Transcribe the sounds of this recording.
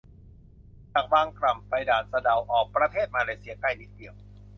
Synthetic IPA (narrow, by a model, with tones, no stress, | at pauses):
t͡ɕaː˨˩k̚baː˧ŋkɾa˨˩mpa˧jdaː˨˩n̚sa˧da˨˩wʔɔː˨˩k̚pɾa˧t̪ʰeː˥˩t̪̚maː˧leː˧si˧ɐka˥˩jniː˨˩k̚di˨˩əw